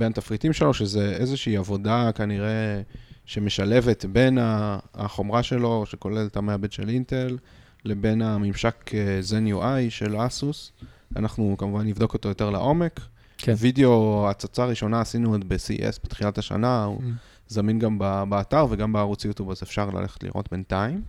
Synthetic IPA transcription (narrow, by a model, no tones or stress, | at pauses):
benat̪afʁitimʃe̞lo̞ʃezeezeʃiːavo̞dakaniʁe̞ | ʃe̞me̞ʃale̞ve̞tbe̞na̰ːχo̞mʁaʃe̞lo̞ʃeko̞le̞ltameabedʃe̞linte̞lː | e̞be̞namimʃakezenjuʔajʃe̞lasusa̰naχnukamuvanːivd̪o̞ko̞t̪o̞jo̞t̪eʁla̰ʔo̞me̞k | video̞at͡sat͡saːʁiʃo̞naːsinuodbesḭʔḛsbet̪χilathaʃa̰naṵ | zaminɡambabaːtaʁve̞ɡambeaʁut͡sjut̪ubazefʃaʁla̰lʔe̞̰χe̥t̪lḭʁo̞̰tbe̞ntaim